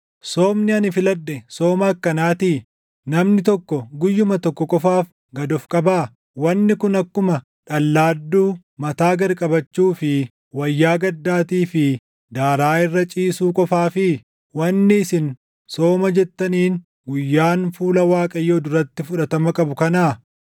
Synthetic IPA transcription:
soːmnɪɐnɪfɪlɐd̪ːɛsoːmɐːkːɐnaːt̪iː | nɐmnɪt̪ɔkːɔɡʊjːʊmɐt̪ɔkːɔkʼɔfaːf | ɡɐd̪ɔfkʼɐbaː | wɐnːɪkʊnɐkːʊmɐ | ᶑɐlːaːd̪ːuː | mɐt̪aːɡɐɾkʼɐbɐt͡ʃːuːfɪ | wɐjːaːɡɐd̪ːaːt̪iːfɪ | d̪aːɾaːɪrːɐt͡ʃʼiːsuːkʼɔfaːfɪ | wɐnːɪɪsɪn | so̞ːmɐd͡ʒɛt̪ːɐniːn | ɡʊjːaːnfuːlɐwaːkʼɐjːoːd̪ʊɾɐt̪ːɪfʊᶑɐt̪ɐmɐkʼɐbʊkɐnaː

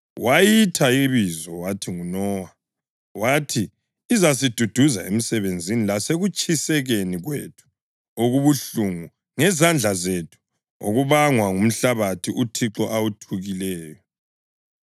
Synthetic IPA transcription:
wʔajitʰaiβizɔwatʰiŋunɔwa | watʰiː | zasid̥ʱud̥ʱuza̰em̩sɛβend͡zʱinilaseɣut͡ʃʰʼisɛɣeniɣwetʰu̥ | oɣuβuɬuŋu | ŋɛzand͡ɮʱazetʰu̥ | o̰ɣuβaŋwaŋum̩ɬaβatʰiʔutʰiǁɔʔawutʰuɣilɛːjɔ

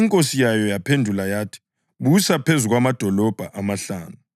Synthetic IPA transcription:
iŋkʼosijajɔjapʰendʱulajaːtʰi̥ | ɓusapʰezuɣwamad̥ʱɔlɔb̥ʱaʔamaɬa̰ːnu

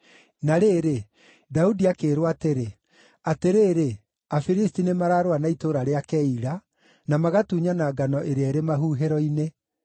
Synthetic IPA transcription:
naɾeːɾe | daudiakeːɾwateɾe | ateɾeːɾe | afiɾistinemaɾaɾowanaitoɾaɾeakɛiɾa | namaɣatuɲanaɡanɔʔeɾeaeɾemaɦuɦeɾɔine

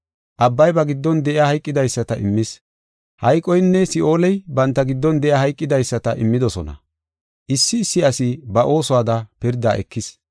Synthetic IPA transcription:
ʔɐbːɐjbɐɡɪd̪ːɔnd̪ɛʔɪaːhɐjkʼːɪd̪ɐjsːɐt̪ɐʔɪmːɪs | hɐjkʼːɔjnːɛsɪʔo̞ːlɛjbɐnt̪ːɐɡɪd̪ːɔnd̪ɛʔɪjaːhɐjkʼːɪd̪ɐjsːɐt̪ɐʔɪmːɪd̪ɔsɔnɐ̰ | ʔɪsːɪːsːɪɐsɪbɐʔo̞ːsʊwaːd̪ɐpɪɾd̪a̰ːʔɛ̰kːɪs

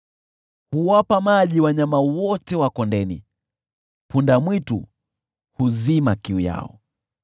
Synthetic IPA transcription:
huwapamaʄiwaɲamawɔtɛwakɔndɛni | pundamwitṵ | huzimakiuja̰ɔ̰

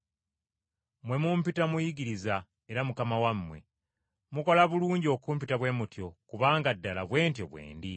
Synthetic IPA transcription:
mwe̞mumpitamujiɡiɾiza | eɾamukamawamːwe̞̰ | muko̞laβuluːɲɟio̞ːkuːmpitaβwe̞mutjo̞kuβaːŋɡadːala̰βwe̞ːntjo̞βwe̞̰ːndi

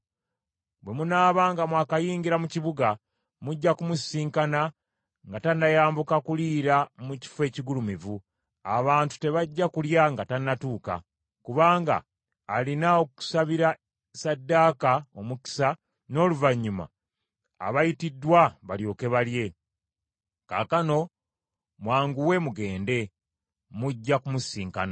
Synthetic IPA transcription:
bwe̞munaːβaːŋɡamwaːkajiːŋɡiɾamuciβuɡa | muɟːakumusiːŋkana | ŋɡatanːajaːmbukakuliːɾamuci̥fwe̞ːciɡulumivu | a̰βaːntu̥te̞βaɟːakuljaŋɡatanːatuːka̰ | kuβaːŋɡa̰ː | linaoku̥saβiɾa | sadːakao̞muki̥sa | no̞ːluvaɲːuma̰ː | βajitidːwaβaljo̞ke̞βalje̞ | kaːkano̞ | mwaːŋɡuwe̞muɡe̞ːnde̞ | muɟːakumusiːŋkana

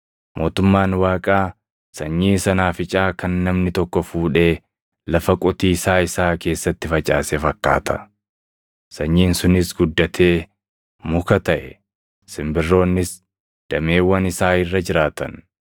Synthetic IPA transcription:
mʔo̞ːt̪ʊmːaːnwaːkʼaː | sɐɲːiːsɐnaːfɪt͡ʃʼaːkɐnːɐmnɪt̪ɔkːɔfuːᶑe̞ː | lɐfɐkʼʊt̪iːsaːɪsaːke̞ːsːɐt̪ːɪfɐt͡ʃʼaːsɛfɐkːa̰ːt̪ʰɐ̥̰ | sɐɲːiːnsʊnɪsɡʊd̪ːɐt̪ʰe̞ː | mʊkɐt̪ɐʔɛ | sɪmbɪrːo̞ːnːɪs | d̪̥ɐmeːwːɐnɪsaːɪrːɐd͡ʒɪɾaːt̪ɐ̰n

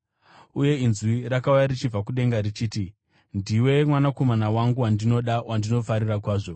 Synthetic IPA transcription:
uje̞inzwirakaujaɾit͡ʃib͡vakuɗe̞ŋɡarit͡ʃiːti | ndiwe̞mwanako̞manawaŋɡuwandino̞ɗawʔandino̞faɾirak̬waːʐo

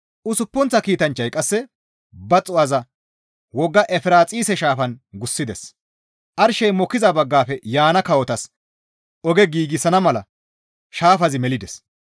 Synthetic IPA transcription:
ʔʊsʊpːɔnt͡sːɐkiːt̪ɐnt͡ʃːɐjkʼɐsːɛ | bɐt͡sʼːʊɐzɐ | wɔɡːɐʔɛfɪɾaːt͡sʼiːsɛʃaːfɐnɡʊsːɪd̪ɛ̰s | ʔɐɾʃɛjmɔkːɪzɐbɐɡːaːfɛjaːnɐkɐwɔt̪ɐs | ɔɡɛɡiːɡɪsɐnɐmɐlɐ̰ | ʃaːfɐzɪmɛlɪd̪ɛs

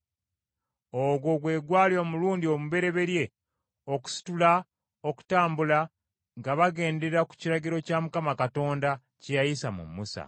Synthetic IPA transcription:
oɡwo̞ɡwe̞ːɡwaːljo̞ːmuluːndio̞muβe̞ɾe̞βe̞ɾje̞ | oku̥si̥tula | o̞ku̥taːmbula | ŋɡaβaɡe̞ːnde̞ɾaku̥ciɾaɡiɾo̞camukamakato̞ːnda | cejajisamṵmːusa̰

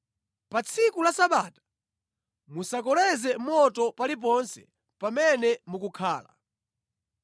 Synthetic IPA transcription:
pat͡sʰikulasaɓaːtḁ | musakɔlɛzɛmɔtɔpalip̬ɔnsɛ | pamɛnɛmukukʰaːla̰

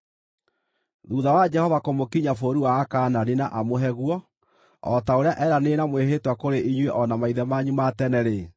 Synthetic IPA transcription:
ðuðawad͡ʒɛhɔvakomokiɲafoɾuwaːkaːnaɾenaʔamoɦɛɣwɔ | ɔtaoɾeaʔɛɾanenamweɦetwakoɾeʔiɲweʔɔnamaiðɛmaɲumatɛnɛɾe

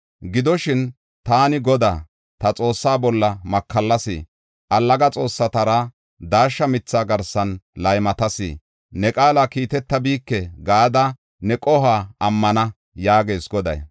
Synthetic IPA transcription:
ɡɪd̪ɔʃɪn | t̪aːnɪɡɔd̪aː | t̪ɐt͡sʼo̞ːsːaːbɔlːɐmɐkːɐlːɐsɪ̰ | ʔɐlːɐɡɐt͡sʼo̞ːsːɐt̪ɐɾa | d̪aːʃːɐmɪt͡sːaːɡɐɾsɐnlɐjmɐt̪ɐsɪ̰ | nɛkʼaːlakiːt̪ɛt̪ːɐbiːkːɛɡaːd̪ɐ | nɛkʼɔɦaːɐmːɐnɐ | jaːɡe̞ːsɡɔd̪ɐ̰j

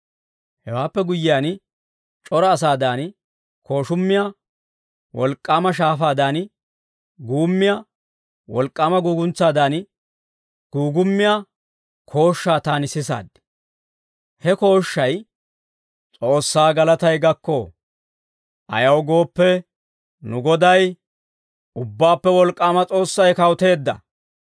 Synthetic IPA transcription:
hɛwaːpːɛɡʊjːɪjaːn | t͡ʃʼɔɾɐːs̬aːd̪aːn | kʰo̞ːʃʊmːɪja | wɔlkʼːaːmɐʃ̬aːfaːd̪aːn | ɡuːmːɪja | wɔlkʼːaːmɐɡuːɡʊnt͡sːaːd̪aːn | ɡ̥uːɡʊmːɪja | kʰo̞ːʃːaːt̪aːnɪsɪsa̰ːd̪ɪ̥ | hɛko̞ːʃːɐj | t͡sʼo̞ːsːaːɡɐlɐt̪ɐjɡɐkːoː | ʔɐ̰jɐwɡo̞ːpːɛ | nʊɡɔd̪ɐj | ʊbːaːpːɛwɔlkʼːaːmɐt͡sʼo̞ːsːɐjkɐwʊt̪e̞ːd̪ːɐ̰

